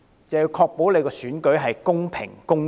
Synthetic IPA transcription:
t͡sɐ˨wjiː˧wkʰɔː˧k̚po˨˥wle˨˧kɔː˧syː˨˥nkɵ˨˥ɥɦɐ˨jkʊ˥ŋpʰɪ̰˨˩ŋkʊ˥ŋ

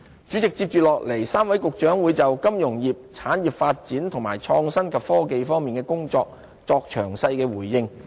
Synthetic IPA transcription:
t͡ʃy˨˥t͡sɪ˨k̚t͡siː˧p̚t͡ʃyː˨lɔː˨k̚le˨˩jsaː˥mwɐ˨˥jkʊ˨k̚t͡ʃœː˨˥ŋwuː˨˧jt͡sɐ˨wkɐ˥mjʊ˨˩ŋjiː˨p̚t͡sʰaː˨˥njiː˨p̚faː˧t̚t͡siː˨˥nt̪ʰʊ˨˩ŋma̰ː˨˩jt͡ʃʰɔː˧ŋsɐ˥nkʰɐ˨˩pfɔː˥ke˨jfɔː˥ŋmiː˨nkɛː˧kʊ˥ŋt͡sɔː˧k̚ | t͡sɔː˧k̚t͡ʃʰœ̰ː˨˩ŋsɐ˧jkɛː˧wuː˨˩jːɪ˧ŋ

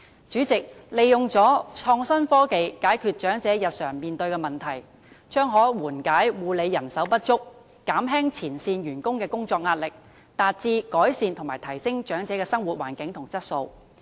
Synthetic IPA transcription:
t͡ʃyː˨˥t͡sɪ˨k̚le˨˧jjʊ˨ŋt͡sɔː˨˥t͡ʃʰɔː˧ŋsɐ˥nfɔː˥ke˨˧jkaː˨˥jkʰyː˧t̚t͡ʃœː˨˥ŋt͡sɛː˨˥jɐ˨t̚sœː˨˩ŋmiː˨nt̪ɵ˧ɥkɛː˧mɐ˨nt̪ʰɐ˨˩j | t͡ʃœː˥ŋɦɔː˨˥wuː˨˩nkaː˨˥jwuː˨le˨˧jːɐ˨˩nsɐ˨˥wpɐ˥t̚t͡ʃʊ˥k̚ː | aː˨˥mɦɛː˥ŋt͡sʰiː˨˩nsiː˧njyː˨˩nkʊ˥ŋkɛː˧kʊ˥ŋt͡sɔː˧k̚ŋaː˧t̚lɪ˨k̚ | t̪aː˨t̚t͡siː˧kɔː˨˥jsiː˧nt̪ʰmaː˨˩t̪ʰɐ˨˩jsɪ˥ŋt͡ʃœː˨˥ŋt͡sɛː˨˥kɛː˧sɐ˥ŋwuː˨˩t̚waː˨˩nkɪ˨˥ŋt̪ʰʊ˨˩ŋt͡sɐ˥t̚so˧w

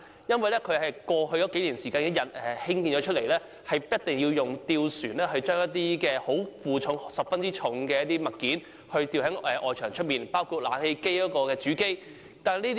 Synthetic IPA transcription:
jɐ˥nwɐ˨jlɛː˥kʰɵ˨˧ɥhɐ˨jkwɔː˧hɵ˧ɥjɔː˨˦ke˨˥jliː˨˩nsiː˨kaː˧nkɛ˦˥jɐ˨˩t̚ɛ˨hɪ˥ŋkiː˧nt͡ʃɔː˨˧˥t͡ʃʰɵ˥t̚le˨˩jlɛː˥ | hɐ˨jpɐ˥t̚t̪ɪ˨ŋji˧wjʊ˨ŋt̪iː˧wsyː˨˩nɛː˥ɦɵ˧ɥt͡ʃœː˥ŋjɐ˥t̚t̪iː˥kɛː˧ho˨˥wfuː˨t͡ʃʰʊ˨˧˥ŋsɐ˨p̚fɐ˥nt͡siː˥t͡ʃʰʊ˨˧˥ŋkɛː˧jɐ˥t̪iː˥mɐ˨t̚kiː˨˥n | hɵ˧ɥt̪iː˧wɦɐ˨˥ŋɛ˨˧ʔɔː˨jt͡ʃʰœː˨˩ŋt͡ʃʰɵ˥t̚miː˨˩npaː˥wkʰuː˧t̚laː˨˥nhe˧jke˥jkɔː˨˥kɔː˧kɛː˧t͡ʃyː˨˥ke˥j | t̪aː˨niː˥t̪

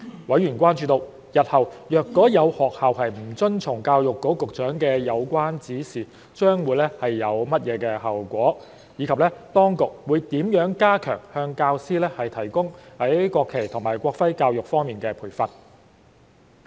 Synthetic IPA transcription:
wɐ˨˥jɥy˨˩nkʷaː˥nt͡ʃyː˨˧t̪o˧w | jɐ˨t̚hɐ˨wjœː˨˧kːɔː˨˥jɐ˨˧whɔː˨k̚hɐ˨whɐ˨jm̩˨˩t͡sɵ˥nt͡sʰʊ˨˩ŋkaː˧wjʊ˨kːo˨˥kʊ˨k̚t͡ʃœː˨˥ŋkɛː˧jɐ˨˧wkʷaː˥nt͡siː˨˥siː˨ | t͡ʃœː˥ŋwuː˨˧jlɛ˥hɐ˨jːɐ˨˧wmɐ˥t̚jɛː˨˧kɛː˧ɦɐː˨wkʷɔː˨˥ | jiː˨˧kʰɐ˨p̚lɛː˥t̪ɔː˥ŋkʊ˨k̚wuː˨˧jt̪iː˨˥mjœː˨˥ŋkaː˥kʰœ̰ː˨˩ŋhœː˧ŋkaː˧wsiː˥lɛː˥hɐ˨jt̪ʰɐ˨˩jkʊ˥ŋhɐ˨˥jkʷɔː˧kʰːe˨˩jt̪ʰʊ˨˩ŋmaː˨˩jkʷɔː˧kfɐ˥jkaː˧wjʊ˨k̚fɔː˥ŋmiː˨˩nkɛː˧pʰuː˨˩jfɐ˨n̚

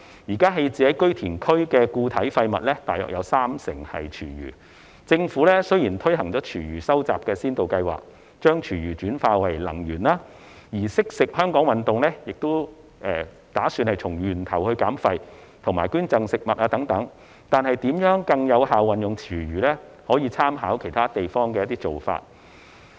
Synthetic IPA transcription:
jiː˨˩kaː˥ɦe˧jt͡siː˨hɐ˨˥jkɵ˥ɥt̪ʰiː˨˩nkʰɵ˥ɥkɛː˧kuː˧t̪ʰɐ˨˥jfɐ˧jmɐ̰˨t̚lɛː˥t̪aː˨jœ̰ː˨k̚jɐ˨˧wsaː˥msɪ̰˨˩ŋhɐ̰˨jt͡ʃʰyː˨˩jy̰ː˨˩ | t͡sɪ˧ŋfuː˨˥lɛ˥sɵ˥jiː˨˩nt̪ʰɵ˥ɥɦɐ˨˩ŋt͡sɔː˨˥t͡ʃʰyː˨˩ɥyː˨˩sɐ˥wt͡sa̰ː˨p̚kɛː˧siː˥nt̪o˨wkɐ˧jwa̰ː˨k̚ | t͡ʃœː˥ŋt͡ʃʰyː˨˩ɥyː˨˩t͡ʃyː˨˥nfaː˧wɐ˨˩jlɐ̰˨˩ŋjyː˨˩nlaː˧ | jiː˨˩sɪ˥k̚sɪ˨k̚hœː˥ŋkɔː˨˥ŋwɐ˨nt̪ʊ˨ŋlɛː˥jɪ˨k̚t̪o˥w | ʔɛː˨˧ | t̪aː˨˥syː˧nhɐ˨jt͡sʰʊ˨˩ŋjyː˨˩nt̪ʰɐ˨˩whɵ˧ɥkaː˨˥mfɐ˧j | t̪ʰʊ˨˩ŋmaː˨˩jkyː˥nt͡sɐ˧ŋsɪ˨k̚mɐ˨t̚ʔaː˧t̪ɐ˨˥ŋt̪ɐ˨˥ŋ | t̪aː˨nhɐ˨jt̪iː˨˥mjœː˨˥ŋkɐ˧ŋjɐ˨˧wɦaː˨wwɐ˨njʊ˨ŋt͡ʃʰyː˨˩ɥyː˨˩lɛː˥ | hɔː˨˥jiː˧t͡sʰaː˥mɦaː˨˥wkʰe˨˩jt̪ʰaː˥t̪e˨jfɔː˥ŋkɛː˧jɐ˥t̪iː˥t͡so˨wfa̰ː˧t̚

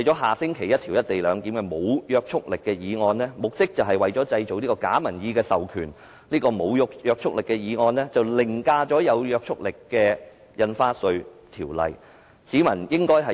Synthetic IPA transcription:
jt͡ʃɔː˨˥ɦaː˨˩sɪ˥ŋkʰe˨˩jɐ˥t̪̚ʰiː˨˩wjɐ˥t̚t̪e˨jlœː˨˧ŋk̪iː˨˥mkɛ˧mo˨˧wjœː˧k̚t͡ʃʰʊ˥k̚lɪ˨kːɛː˧jiː˨˧ŋɔː˧nlɛː˥mʊ˨k̚t̪ɪ˥k̚t͡sɐ˨wɦɐ˨jwɐ˨jt͡ʃɔ˨˥t͡sɐ˧jt͡so˨˧wniː˥kɔː˧ka̰ː˨˥mɐ˨˩njiː˨˧kɛː˧sɐ˨wkʰyː˨˩n | liː˥kɔː˧mo˨˧wjʊ˧˥k̚jœː˧k̚t͡ʃʰʊ˥k̚lɪ˨kːɛ˧jiː˨˧ŋɔː˧nlɛː˥t͡sɐ˨wlɪ˨˩ŋkaː˧t͡sɔː˨˥jɐ˨˧wjœː˧k̚t͡ʃʰʊ˥k̚lɪ˨kːɛː˧ | jɐ˧nfaː˥sɵ˧ɥt̪ʰiː˨˩wlɐ̰˨j | siː˨˥mɐ˨˩njɪ˥ŋkɔː˥jɦɐ˨˩

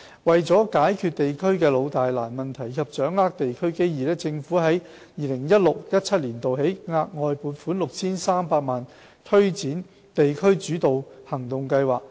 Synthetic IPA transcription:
wɐ˨jt͡sɔː˨˥kaː˨˥jkʰyː˨t̚t̪e˨jkʰɵ˥ɥkɛː˧lo˨˧wt̪aː˨jlaː˨˩nmɐ˨nt̪ʰɐ˨˩jkʰɐ˨p̚t͡ʃœː˨˥ŋlaː˥k̚t̪e˨jkʰɵ˥ɥke˥jjiː˨˩lɛː˥t͡sɪ˧ŋfu˨˥ɦɐ˨˥j | jiː˨˩lɪ˨˩ŋjɐ˥t̚lʊ˨k̚jɐ˥t̚t͡sʰɐ˥t̚liː˨˩nt̪o˨wɦe˨˥jŋaː˧˥k̚ŋɔː˨˧jpuː˨˥nfuː˨˥nlʊ˨k̚t͡sʰiː˥nsaː˥mpaː˧k̚maː˨n | t̪ʰɵ˥ɥt͡siː˨˥n | t̪e˨jkʰɵ˥ɥt͡ʃyː˨˥t̪o˨whɐ˨˩ŋt̪ʊ˨ŋkɐ˧jwaː˨k̚

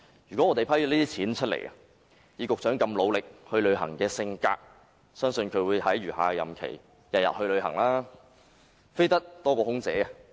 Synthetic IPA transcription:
ɥyː˨˩kɔ˨˥ŋɔː˨˧t̪e˨jpʰɐ˥jɔ˨˧˥liː˥t̪iː˥t͡sʰiː˨˥nt͡ʃʰt̚lḛ˨˩jɐ̰˨ | jiː˨˧kʊ˨k̚t͡sœː˨˥ŋkɐ˧mlo˨˧wlɪ˨k̚hɵ˧ɥlɵ˨˧ɥɦɐ̰˨˩ŋkɛː˧sɪ˧ŋka̰ː˧k̚ | sœː˥ŋsɵ˧nkʰɵ˨˧ɥwuː˨˧jt̪ʰɐ˨˥jɥyː˨˩ha̰ː˨˧jɐ̰˨˩mkʰḛ˨˩j | jɐ˨t̚jɐ̰˨t̚hɵ˧ɥlɵ˨˧ɥhɐ˨˩ŋlaː˥ | fe˥jt̪ɐ˥k̚t̪ɔː˥kɔː˧hʊ˥ŋt͡sɛ̰ː˨˥ɐ˨

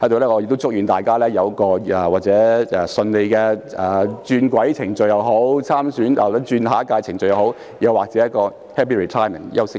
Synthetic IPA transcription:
hɐ˨˥jt̪o˨wlɛː˥ŋɔː˨˧j̚t̪o˥wt͡sʊ˥k̚jyː˨˧nt̪aː˨jkaː˥lɛː˥jɐ˨˧wkɔː˧ɛ˨waː˨k̚t͡sɛː˨˥ɛ˨˧sɵ˧nle˨˧jkɛː˧ɛː˨t͡ʃyː˧nkʷwɐ˨˥jt͡sʰɪ˨˩ŋt͡sɵ˧ɥjɐ˨˧wɦo˨˥wt͡sʰaː˥msyː˨˥njɐ̰˨wɐ˨˥t͡ʃyː˧nɦaː˨˥kaː˧jt͡sʰɪ˨˩ŋt͡sɵ˧ɥjɐ˨who˨˥w | jɐ˨˧waː˨˩k̚t͡sɛː˨˦jɐ˥kːɔː˧ | hɛː˥pʰiː˥ɹi˨t̪ʰaː˥jmɛ̰˨˩njɐ˦˥wsɪ˥k

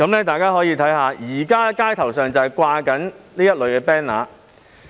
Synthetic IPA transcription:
kɐ˨˥mnlɛː˥t̪aː˨jkaː˥ɦɔː˨˥jiː˧t̪ʰɐ˨˥jhaː˨˧jiː˨˩kaː˥kaː˥jt̪ʰɐ˨˩wsœː˨ŋt͡sɐ˨jkʷaː˧kɐ˨˥nliː˥jɐ˥t̚lɵ˨ɥkɛː˧pɛː˥nla̰ː˨

